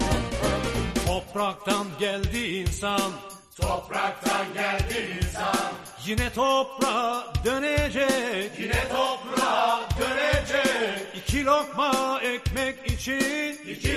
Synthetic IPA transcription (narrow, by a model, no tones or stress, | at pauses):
ɔpɾak̚t̪anɟælʲd̪iinsan | t̪ʰopɾak̚t̪anɟæld̪iinsan | jinɛt̪ʰopɾad̪ønɛd͡ʒɛkinɛt̪ʰopɾad̪ønɛd͡ʒɛicʰilokmaɛcmɛkit͡ʃʰi